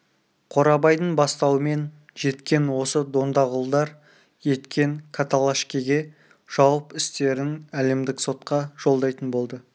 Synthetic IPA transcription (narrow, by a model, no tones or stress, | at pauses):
qʰo̞ɾɑbɑjd̪əɴbɑst̪ɑwəme̞n | ʒe̞t̪kʲe̞nwo̞səd̪o̞nd̪ɑʁʊlˠd̪ɑɾ | je̞t̪kʲe̞ŋkʰat̪alˠaʃkʲiɡʲe̞ | ʒ̥ɑwəpɪst̪e̞ɾɪnæle̞md̪ɪkso̞t̪qɑʒ̥o̞lˠd̪ɑjt̪ənbo̞lˠd̪ə